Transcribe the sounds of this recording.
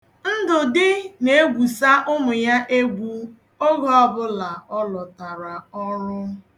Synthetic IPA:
n̩˦dʊ˨dɪ˦ne˨e˦ɡʷu˨sa˦ʔʊ˦mʊ˨ja˦ʔe˦ɡʷu˨ | ɔ˦ɣɔ˦ɔ˨bʊ˦la˨ɔ˦lɔ˨ta˨ɾa˨ɔ˦ɾʊ˦

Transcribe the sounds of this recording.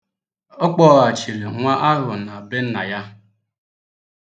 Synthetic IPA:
ɔ˦k͡pɔ˦ɣa˨t͡ʃi˨ɾi˨ŋʷa˦ʔa˦ɦʊ˨na˨a˨be˦n̩˦na˨ja˦

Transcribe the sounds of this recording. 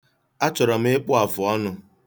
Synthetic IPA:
a˦t͡ʃɔ˨ɾɔ˨m̩˦ɪ˦k͡pʊ˦a˨fʊ˨ɔ˦nʊ˨

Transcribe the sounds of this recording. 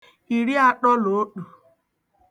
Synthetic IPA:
i˨ɾi˦a˦ɗɔ˦lo˨o˦ɗu˨

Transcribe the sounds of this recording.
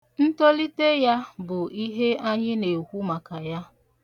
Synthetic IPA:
n̩˦to˦li˦te˦ja˦bʊ˨i˦ɦe˦ʔa˦ɲɪ˦ne˨kʷu˦ma˨ka˨ja˦

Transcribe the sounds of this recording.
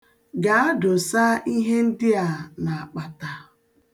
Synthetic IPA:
ɡa˨˦a˦dʊ˨sa˦ʔi˦ɦe˦n̩˦dɪ˦a˨na˨a˨k͡pa˨ta˨

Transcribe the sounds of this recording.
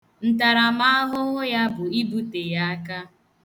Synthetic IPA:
n̩˨ta˨ɾa˨ma˦a˦ɦʊ˦ŋʊ˦ja˦bʊ˨i˦bu˦te˨ja˦a˦ka˦

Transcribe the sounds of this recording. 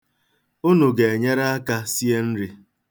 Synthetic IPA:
ʊ˦nʊ˨ɡe˨e˨ɲe˦ɾa˦a˦ka˦si˦e˦n̩˦ɾɪ˦

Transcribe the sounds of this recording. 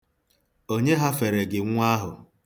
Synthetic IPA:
o˦ɲe˦ɦa˦fe˨ɾe˨ɡɪ˨ŋʷ˦a˦ɦʊ˨

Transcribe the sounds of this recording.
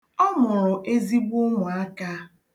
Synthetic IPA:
ɔ˦mʊ˨ɾʊ˨ʔe˦zi˦ɡ͡bʊ˦ŋʷʊ˨a˦ka˦

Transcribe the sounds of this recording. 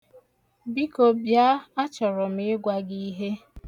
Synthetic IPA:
bi˦ko˨bja˦a˦t͡ʃɔ˨ɾɔ˨m̩ɪ˦ɡʷa˦ɡi˦i˦ɦe˦

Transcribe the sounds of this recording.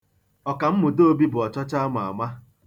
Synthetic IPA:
ɔ˨ka˨m̩˦mʊ˨do˦o˦bi˦bʊ˨ɔ˨t͡ʃɔ˦t͡ʃa˦m˨a̰˨ma˦

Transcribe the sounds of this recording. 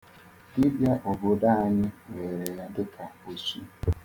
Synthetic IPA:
dɪ˦bja˦ʔo˨bo˨da˦ɲɪ˦we˨ɾe˨ɾa˨dʊ˦ka˨o˨su˦

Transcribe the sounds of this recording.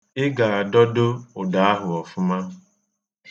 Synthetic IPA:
ɪ˦ɡa˨a˨dɔ˦do˦ʊ˨da˨˦a˦ɦʊ˨ɔ˨fʊ˦ma˦ɦ

